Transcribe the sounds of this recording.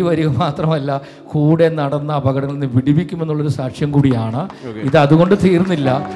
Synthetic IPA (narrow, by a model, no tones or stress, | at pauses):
ʋɐɾiɣɐmaːt̪rɐmɐlːɐ | kuːɽe̞nːɐɽɐnːɐːbʱɐɣɐɽɐŋːɐɭinːɨʋiɽibikʲːumenːuɭːɐo̞ɾusaːkʂjɐmkuːɽijaːɳɨiðɨɐðuɣo̞ɳɖɨt̪iːrnːilːɐ